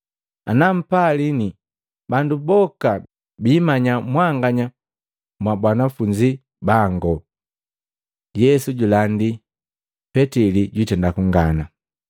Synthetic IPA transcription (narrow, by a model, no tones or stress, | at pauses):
a̰nam̩palini | bandubɔka | biːmaɲamwaŋɡaɲa | mwabwanafuɲd͡ʒi | baŋɡɔ | jɛsuɟulandi | pɛtiliɟwitɛndakuŋɡana